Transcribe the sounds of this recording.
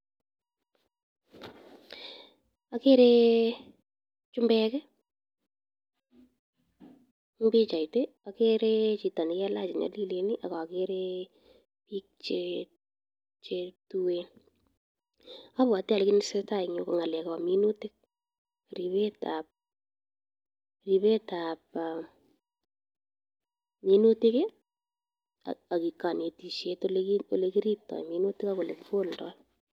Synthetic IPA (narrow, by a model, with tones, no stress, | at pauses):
a˨ke˦ɾe | t͡ʃʊ˦mbɛkɛ˦ | mbɪ˦t͡ʃa˨ite˦ | a˨ke˦ɾet͡ʃi˨ta˨ni˨kɛ˦la˦t͡ʃɪ˨ɲɔ̰˨li˦le˨ni˦ʔa˨ka˨a˨keɾe˦ | piː˦k̚t͡ʃe | t͡ʃe˧tuwen | a˦βwa˨tɛ˦a˨le˦kɪnɪseta˦ɪ˨ŋo˦koŋa˨lɛ˨kaami˦nu˦tɪ˦k̚ | ri˨βe˦tap̚ | ri˨βe˦tap̚ | mi˦nu˦tɪke˦ | aa˨kika˨ne˨ti˨ʃe˦tolole˦kiɾi˦p̚tɔ̰˨jminu˦tɪ˦ka˦ko˨le˨kfo˦ldɔ̰˦l